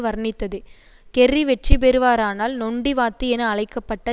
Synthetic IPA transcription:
ʋɐɾnɪt̪ːɐðɯ | kɛrːiʋɛʈripɛɾɯʋaːɾaːnaːlnɔɳɖiʋaːt̪ːɯɛnɐːɭɐɪkːɐpːɐʈːɐ

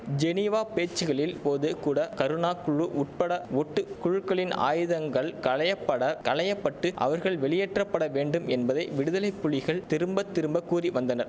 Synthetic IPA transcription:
d͡ʒɛnɪʋaːpeːt͡ʃːɯɣɐɭɪlpoːðɯkuːɽɐkɐɾɯnaːkʊɻɯʔʊʈ̚pɐɽɐɔʈːɯkʊɻʊkːɐɭɪna̰ːjɯðɐŋɡɐɭkɐɭɐjɐpːɐɽɐkɐɭɐjɐpːɐʈːɯʔɐ̰ʋɐɾɣɐɭʋɛɭɪjɛʈrɐpːɐɽɐʋeːɳɖɯmɛnbɐðɐɪʋɪɽɯðɐlɐɪpːʊɭɪɣɐɭt̪ɪɾɯmbɐt̪ːɪɾɯmbɐkːuːriʋɐnd̪ɐnɐɾ

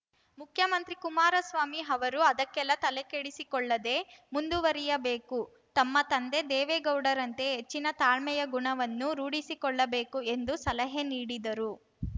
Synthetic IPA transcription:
mukʰjɐmɐnt̪ɾikumaːɾɐsʋaːmiɦɐʋɐɾuɐd̪ɐkːɛlːɐt̪ɐlekeɽisikɔɭːɐd̪e̞mund̪uʋɐɾijɐbeːku | t̪ɐmːɐt̪ɐnd̪e̞d̪ɛːʋeɡɐwɽɐɾɐnt̪e̞ɦet͡ʃːinɐt̪aːɭmɛjɐɡuɳɐʋɐnːuɾuːɽisikɔɭːɐbe̞ːkue̞nd̪usɐlɐɦeniːɽid̪ɐɾu

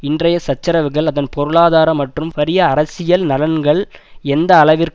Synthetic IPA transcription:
ɪndrɐjɐsɐt͡ʃːɐɾɐʋɯɣɐɭɐðɐnpɔɾɯɭaːðaːɾɐmːɐʈrɯmpɐɾɪjɐːɾɐsɪjɐlnɐlɐnɡɐɭɛnd̪ɐːlɐʋɪɾk

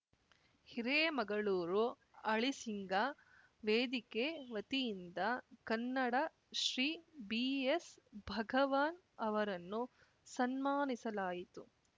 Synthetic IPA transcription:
hiɾeːmɐɡɐɭuːɾu | ɐɭisiŋɡa | ʋeːd̪ikeʋɐt̪ijind̪ɐkɐnːɐɽɐ | ʃɾiːbiːesbʱɐɡɐʋaːn | ɐʋɐɾɐnːu | sɐnmaːnisɐlaːjit̪u

